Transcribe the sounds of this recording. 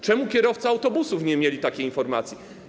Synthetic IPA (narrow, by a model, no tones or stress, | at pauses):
t͡ʂɛmukʲɛɾɔft̪sɨawt̪ɔbusufɲɛmʲjelʲit̪akʲejinfɔɾmat̪sʲji